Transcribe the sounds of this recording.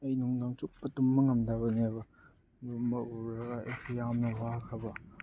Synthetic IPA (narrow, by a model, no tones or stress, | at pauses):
ɐjnuŋdaŋt͡ʃuk̚ɐtumːɐŋɐmdabɐnebɐ | dumɐuɾɐɡɐʔḛjsejamnɐwakʰɐbɐ